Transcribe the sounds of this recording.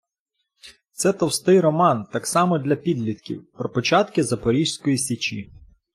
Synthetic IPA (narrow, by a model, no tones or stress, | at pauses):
t̪sɛt̪ɔwst̪ɪjɾɔmɑnt̪ɑksɑmɔd̪lʲɐpʲid̪lʲit̪kʲḭwpɾɔpɔt͡ʃɑt̪kɪzɐpɔɾʲiʃʲsʲkɔjisʲit͡ʃḭ